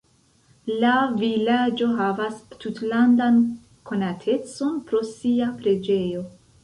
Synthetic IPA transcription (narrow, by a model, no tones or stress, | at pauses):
lavilad͡ʒo̞ɦavastutlandan | kʰo̞natʰe̞t͡so̞npɾo̞siapɾe̞d͡ʒe̞jo̞